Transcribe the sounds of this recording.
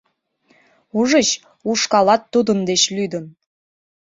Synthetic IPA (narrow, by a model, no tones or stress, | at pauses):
uʒə̆ɕ | uʃkɑlɑt̪ːud̪ə̆nd̪eɕlyd̪ə̆n